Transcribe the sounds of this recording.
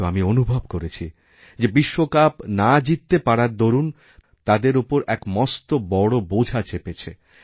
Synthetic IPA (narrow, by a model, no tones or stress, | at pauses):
oamionubʱobkoɾet͡ɕʰi | d͡ʑebiʃːokapnad͡ʑit̪ːepaɽaɾd̪oɾun | t̪ad̪eɾupoɾɛkmɔst̪obɔɽobod͡ʑʱat͡ɕʰepet͡ɕʰe